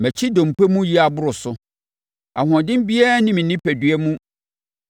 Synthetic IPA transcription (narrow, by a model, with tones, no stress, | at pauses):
mɛ˨t͡ɕʰi˦dõ˨m̩˨pɛ˦mũ˦ji˦a˨bʊ˦ɾʊ˨sʊ˨ | a̰˨ɦɔ̃˨dɪ̃˦m˦bi˦ɛ˦nɪ̃˦mɪ̃˨nɪ̃˦pʰæ˨dɥɛ˦mũ˦